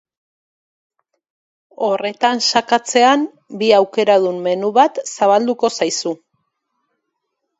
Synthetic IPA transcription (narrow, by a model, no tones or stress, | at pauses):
o̞re̞t̪ansakat͡se̞am | biawke̞ɾað̞umːe̞nuβat̪saβald̪uko̞sajsu